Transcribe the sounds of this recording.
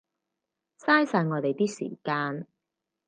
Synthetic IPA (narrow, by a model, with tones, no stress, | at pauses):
saː˥jsaː˧jŋɔː˨˧t̪e˨jt̪iː˥sḭː˨˩kaː˧n